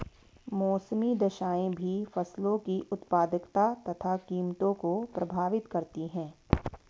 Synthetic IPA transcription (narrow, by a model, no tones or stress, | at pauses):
mɔːsmid̪ɐʃaːẽbʱifɐslõkiʔʊt̪paːd̪əkt̪at̪ɐt̪ʰakiːmt̪õkopɾɐbʱaːʋɪt̪kɐɾt̪iɦɛ̃ː